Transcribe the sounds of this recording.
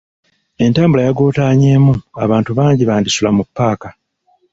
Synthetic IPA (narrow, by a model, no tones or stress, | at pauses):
e̞ntaːmbulajaɡo̞ːtaːɲeːmua̰βaːntuβaːɲɟiβaːndisulamupːaːka